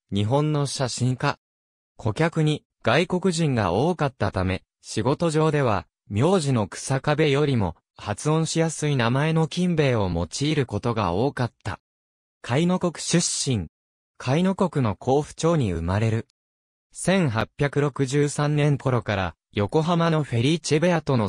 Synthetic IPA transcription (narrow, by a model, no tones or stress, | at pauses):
ɲ̟iɦõ̞nːo̞ɕaɕĩŋka | kʰo̞kʲakɯ̟ɲ̟i | ɡ̥aiko̞kɯ̟ʑĩŋɡa̰ʔo̞ːkat̪ːat̪ame̞ | ɕiɡo̞t̪o̞ʑo̞ːd̪e̞β̞a̰ | mʲjo̞ːʑino̞kɯ̟̥sakabe̞jo̞ɾʲimo̞̰ | hat͡sɨõ̞ɰ̃ɕijasɨinamae̞no̞kʲĩmbe̞ːo̞mo̞̰t͡ɕiːɾɯ̟ko̞t̪o̞ɡa̰o̞ːkat̪ːa̰ | kʰaino̞ko̞kɯ̟̥ɕɨɕːĩŋ | kʰaino̞ko̞kɯ̟no̞kʰo̞ːɸɯ̟̥t͡ɕo̞ːɲ̟iɯ̰maɾe̞ɾɯ̟ | sẽ̞ŋ̃ɦapʲːjakɯ̟ɾo̞kɯ̟ʑɨːsãnnẽ̞ŋko̞ɾo̞kaɾa̰ | jo̞ko̞ɦamano̞ɸe̞ɾʲit͡ɕebe̞at̪o̞no